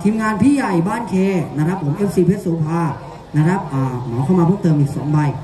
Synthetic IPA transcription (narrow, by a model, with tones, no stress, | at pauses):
t̪ʰiː˧mŋaː˧npʰiː˥˩ja˨˩jbaː˥˩nkʰeː˧na˦˥kɾa˦˥pʰːo˨˩˦mʔeː˦˥f̚siː˧pʰe˦˥t̪̚suː˧˦pʰaː˧˩ | na˦˥kʰɾa˦˥p̚ʔaː˨˩mɔː˩˦kʰa˥˩wmaː˧ɯː˥˩mt̪ɤː˧mʔiː˨˩k̚so˨˩˦mba˧˩j